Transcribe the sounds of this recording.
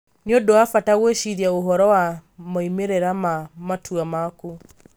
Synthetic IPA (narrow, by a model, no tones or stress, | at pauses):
neodowafataɣweʃiɾjaoɦɔɾɔwamaimeɾeɾamamatʰuamaku